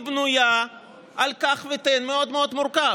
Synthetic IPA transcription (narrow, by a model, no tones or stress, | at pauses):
bnuja | ʔalkaχvet̪enmeo̞d̪meo̞d̪muɾka